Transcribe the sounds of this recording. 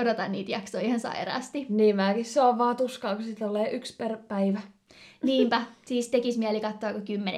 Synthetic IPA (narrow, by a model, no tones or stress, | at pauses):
odot̪ɑnniːt̪jɑksoiihɑnsɑ̰irɑ̰ːst̪iniːmæːkisseoʋʋɑːt̪uskɑːkusit̪oleːʔyksperpæiʋæ | niːmpæsiːst̪ekismiælikɑt̪ːoɑːkokymːenḛ